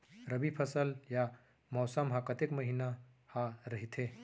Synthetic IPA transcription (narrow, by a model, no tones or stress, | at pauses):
ɾəbipʰɐsəlja | mɔːsəmɦãkɐt̪ekmɐɦiːna | hãɾɐɦit̪ʰe